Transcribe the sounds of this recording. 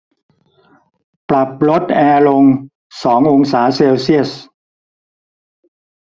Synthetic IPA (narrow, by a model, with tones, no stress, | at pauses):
pla˨˩p̚ɾo˦˥t̪̚ʔɛː˧lo˧ŋ | sɔː˩˦ŋʔo˧ŋsaː˩˦seː˧wsi˥˩əs